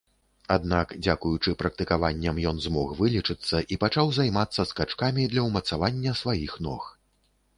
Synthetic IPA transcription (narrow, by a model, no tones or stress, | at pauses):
ad̪nakd͡zʲakujut͡ʂɨpɾɐk̚t̪ɨkavanʲːɐmjɔnzmɔxvɨlʲit͡ʂɨt̪sːɐʔipat͡ʂawzajmat̪sːɐskat͡ʂkamʲid̪lʲɐwmɐt̪savanʲːɐsvajixnɔx